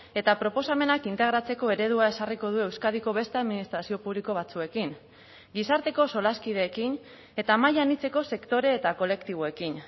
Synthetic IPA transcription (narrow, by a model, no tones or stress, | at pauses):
e̞t̪apɾo̞po̞same̞nakint̪e̞ɣ̞ɾat͡se̞ko̞e̞ɾe̞ð̞uae̞sariko̞ð̞ue̞wskað̞iko̞βe̞st̪e̞aðminist̪ɾasio̞puβliko̞β̞at͡sue̞kin | ɡisaɾt̪e̞ko̞so̞laskið̞e̞ːkin | e̞t̪amaʎanit͡se̞ko̞se̞kt̪o̞ɾe̞ːt̪ako̞le̞kt̪iβo̞e̞kin